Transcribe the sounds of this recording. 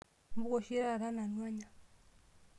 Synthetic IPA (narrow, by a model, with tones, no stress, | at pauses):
m˦bu˦kɔ˨ʃie˦ɾa˦˨ɾa˦na˨nwa˦ɲa˨